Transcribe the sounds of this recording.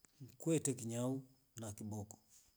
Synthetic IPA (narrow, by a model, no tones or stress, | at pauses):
ŋ̩kwɛtɛkiɲau | nakiɓɔkɔ̥